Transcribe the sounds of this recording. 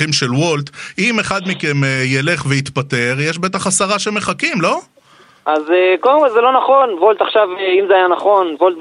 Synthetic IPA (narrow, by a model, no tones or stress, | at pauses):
imʃe̞lwolt̪ime̞χad̪mike̞mejele̞χveit̪pat̪e̞ʁjeʃbe̞t̪aχasaʁaʃeme̞χakimlo̞ | ʔazekodemkolzelo̞naχo̞nvolt̪aχʃaveimzeajanaχo̞nvolt̪